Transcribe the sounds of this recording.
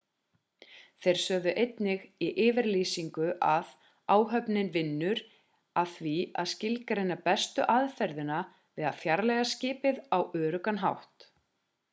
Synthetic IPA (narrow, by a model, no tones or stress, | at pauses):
θejɾ̥sœːðʏʔejt̪nɪɣiʔɪːvɪɾliːsiŋkʏʔað | aːwɦœpnɪnvɪnːʏɾ | aðθvia̰ðscɪlkaɾɪnːapɛst̪ʏ̰ʔaðfɛɾðɪna | vɪðaðθjaɾlɛɣascɪːpɪðawœːɾʏkanɦawht̪